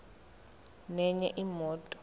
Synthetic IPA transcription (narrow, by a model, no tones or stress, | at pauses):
nɛɲɛ̰ʔimɔːtʼɔ̥